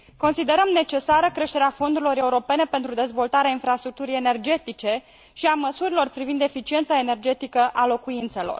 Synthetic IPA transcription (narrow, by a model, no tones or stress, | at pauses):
ko̞nsid̪e̞ɾəmne̞t͡ʃe̞saɾəkɾe̞ʃt̪e̞ɾeafo̞nd̪uɾilo̞ɾe̞uɾo̞pe̞ne̞pe̞nt̪ɾud̪e̞zvo̞lt̪aɾeainfɾast̪ɾuk̚t̪uɾijene̞rd͡ʒe̞t̪it͡ʃe̞ | ʃiaməsuɾilo̞rpɾivind̪e̞fit͡ʃie̞nt̪sae̞ne̞rd͡ʒe̞t̪ikəʔalo̞kuint̪se̞lo̞̰r